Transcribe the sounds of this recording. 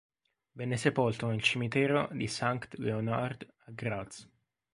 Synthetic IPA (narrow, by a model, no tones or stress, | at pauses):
vɛnːesepolt̪onelt͡ʃimit̪ɛːɾod̪isaŋkt̪leonard̪ | aɡɾad̪s